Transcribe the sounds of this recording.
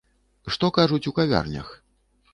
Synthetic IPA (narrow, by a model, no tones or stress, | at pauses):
ʂt̪ɔkaʐut͡sʲukavʲa̰rnʲɐ̰x